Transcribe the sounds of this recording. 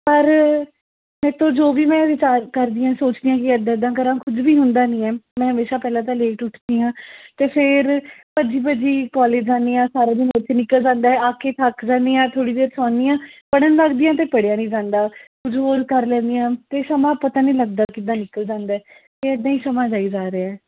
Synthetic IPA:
pəɾ | mɛ̃ːt̪õːd͡ʒoːʋiːmɛ̃ːʋɪt͡ʃaːɾkəɾd̪iːãːsoːt͡ʃd̪iːjãːk̬ɪəd̪ãːɪd̪ːãːkəɾãːkʰʊd͡ʒʋiːɦʊnd̪aːnĩːɛːmɛ̃ːɦəmeːʃaːpɛːlãːt̪̬ãːleːʈʊʈʰd̪iːɦãːt̪eːpʰɪɾpəd͡ʒiːpəd͡ʒiːkɔːleːd͡ʒd͡ʒãːnd̪ejãːsaːɾeːd̪ɪnɪt͡ʃʰnɪkːəld͡ʒãːnd̪aːɛaːkʰeːt̪ʰakd͡ʒãːnd̪iːjãːt̪ʰoːɽiːd̪eːɾsɔːnijãːpəɽənləɡd̪iːãːt̪eːpəɽjãːnĩːd͡ʒãːnd̪aːkʊd͡ʒɦoːɾkəɾlɛ̃ːnd̪ijãːt̪eːsəmãːpət̪aːnĩːləɡ̚d̪aːkɪd̪ãːnɪkəld͡ʒãːnd̪aːɛː | t̪eːəd̪ːãːiːsəmãːd͡ʒaːiːd͡ʒaːɾeːɛː

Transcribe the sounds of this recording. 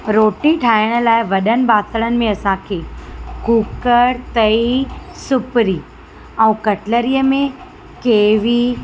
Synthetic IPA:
ɾoːʈiʈʰaːɪɽ̃ə̆laːɪʋɐɗənɪ̆baːt̪əɽ̃ənɪ̆mẽɐsãkʰeːkuːkəɾt̪ɐisʊpɾiː | ɛ̃ːkɐʈləɾijəmẽ | keːʋi

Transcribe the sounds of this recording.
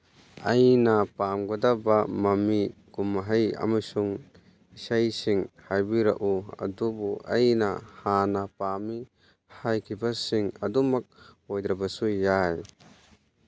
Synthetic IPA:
ajnapamɡadabamamiɡumaɦaja̰masuŋ | isajsiŋhajbiɾa̰ʔuɐ̰dubua̰jnahanapami | hajkʰibasiŋɐ̰dumak̚ojd̪ɾabasujaj

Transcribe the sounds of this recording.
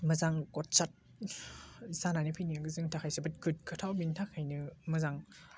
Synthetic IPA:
mɐzaŋkɔt̚sat̚ | zananipʰɯjniaɡɯzɯŋtʰakʰajsɯbat̚kʰɯt̚kʰɯtʰawbintʰakʰajnɯmɐzaŋ

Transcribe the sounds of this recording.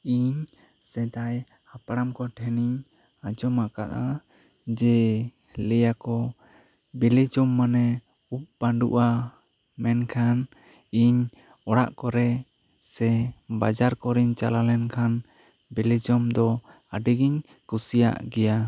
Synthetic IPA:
iɲ | sɛd̪aj | hapaɽamkɔʈʰɛniɲ | ad͡ʒɔmaka̰ʔ̪a | d͡ʒɛ | lɛjakɔ | bɛlid͡ʒɔmːanɛ | up̚baɳɖṵʔa | mɛnkʰan | iɲ | ɔɽaʔkɔɾɛ | sɛbad͡ʒaɾkɔɾiɲt͡ʃalalɛnkʰan | bɛlid͡ʒɔmd̪ɔ | aɖiɡiɲ | kusija̰ʔɡɛja

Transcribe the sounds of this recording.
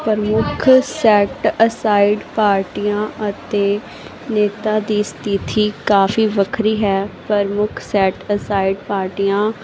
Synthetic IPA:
pəɾmʊkʰsɛːʈəsaːiɖpaːɾʈiːãːʔət̪eː | neːt̪aːd̪iːst̪it̪ʰiːkaːfiːʋəkʰɾiːɦɛːpɾəɾmʊkʰsɛːʈəsaːiɖpaːɾʈiːjãː

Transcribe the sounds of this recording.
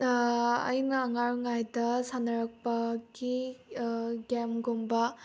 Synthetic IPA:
ɐ̰jnɐːŋaɾŋajdɐsanɐɾak̚paɡi | ɡɛmɡombɐ

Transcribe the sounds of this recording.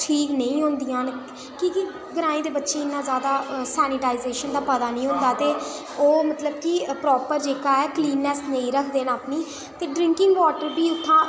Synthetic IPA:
ʈʰiːknə̃ĩːɦʊ̃ːnd̪ɪjãːn | kiki | ɡəɾãːĩːd̪eːbətːʃeːɪnːãːzjaːd̪aːsɛːnɪʈaːizeːʃənd̪aːpət̪aːnə̃ĩːɦʊ̃ːnd̪aːt̪eː | oːmət̪ləbkipɾɔːpəɾd͡ʒeːkaːɛːkliːnːɛːsnə̃ĩːɾəkʰd̪eːnaːpniː | t̪eːɖɾɪ̃ŋkɪŋɡʋɔːʈəɾbiːʊt̪ʰːãː

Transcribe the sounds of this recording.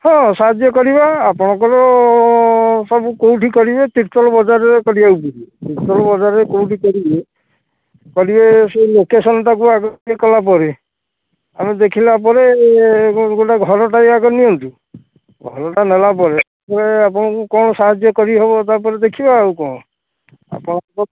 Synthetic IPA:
hɔ̃saɦad͡ʒjɔkɔɾiβaːpɔɽ̃ɔkɔɾɔ | sɔbukowʈʰikɔɾibet̪iʈt̪ɔlɔbɔd͡ʒaɾɔekɔɽijawbuɾit̪iɾt̪ɔlɔbɔd͡ʒaɾekowʈʰikɔɾibe | kɔɾibeselokesɔnɔʈakuaɡɔekɔlap̬ɔɾe | a̰med̪ekʰilap̬ɔɾe | ɡuʈaɡʱɔɾɔʈajaɡɔniɔnt̪u | ɡʱɔɾɔʈanelapɔɾet̪apɔɾeapɔɽ̃ɔkukɔɽ̃ɔsaɦad͡ʒjɔkɔɾiɦebɔt̪apɔɾed̪ekʰibaːwkɔ̃ɔ | a̰pɔɽ̃ɔkɔɔ

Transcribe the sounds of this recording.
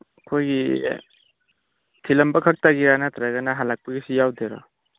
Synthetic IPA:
kʰojɡi | tʰilɐmbɐkʰɐk̚taɡiɾanatɾaɡɐnɐɦalak̚pɐɡisijawd̪eɾa̰

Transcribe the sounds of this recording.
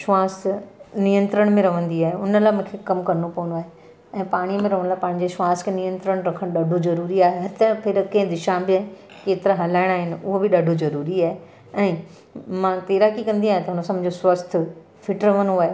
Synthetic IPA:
ʃʊʋaːsnijə̃nt̪ɾəɽ̃mẽɾɐʋ̤ə̃nd̪iaːɦeʊnəlaːmũːkʰekɐmkɐɾnopɐʋənoaːɦe | ɛ̃ːpaːɽ̃imẽɾɐʋə̃nlapãːɪ̃ɲ̆d͡ʑeʃʊʋaːskʰenijə̃nt̪ɾəɽ̃ɾɐkʰəɽ̃ɗɐɖʱozɐɾuːɾiaːɦet̪ɐpʰɪɾkɐ̃ɦɪ̃d̪ɪʃãbɪa | keːt̪ɪɾaɦɐlaːɪɽ̃aːɦɪnɪ̆ʊɦobɪɗɐɖʱozɐɾuːɾiaːɦe | ɛ̃ː | mãːt̪eːɾakikɐ̃nd̪iaːɦẽt̪ɐɦʊnəsɐmbd͡ʑosʋɐst̪ʰʊ̆ | fʰɪʈɾɐʋə̃noaːɦe

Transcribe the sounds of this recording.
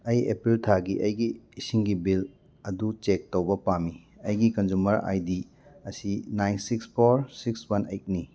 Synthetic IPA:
ɐjepɾiltʰaɡiʔɐjɡiːsiŋɡibil | ɐdut͡ʃek̚towbɐpami | ɐjɡikɐnzumɐɾa̰jdi | ɐsinajnsikspʰoɾsikswɐnejt̚ni

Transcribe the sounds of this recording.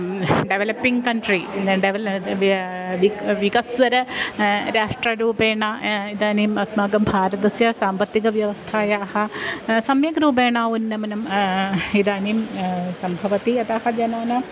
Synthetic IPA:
ɖeʋelɐpːiŋɡkɐɳʈɾiɖeʋ | ʋiʋikɐsʋɐɾɐɾaːʂʈrɐɾuːbeːɳaid̪aːnijmɐsmaːɡɐmbʱaːɾɐt̪ɐsjɐsaːmbɐt̪ːiɡɐʋjɐʋɐst̪ʰaːjaːhɐsɐmjɐɡɾuːbeːɳaːʋunːɐmɐnɐm | id̪aːnimsɐmbʱɐʋɐt̪iɐt̪aːhɐd͡ʒɐnaːnɐ

